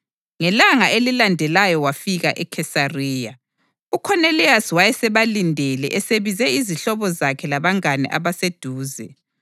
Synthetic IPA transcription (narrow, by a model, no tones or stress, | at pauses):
ŋɛlaŋaʔelilandʱɛlajɔwafiɣaʔɛkʰɛsariːja | ukʰɔnɛliaswajɛsɛβalindʱɛlɛ̰ʔɛseβizɛiziɬɔβɔzakʰɛlaβaŋanɛ̰ʔa̰βased̥ʱuːzɛ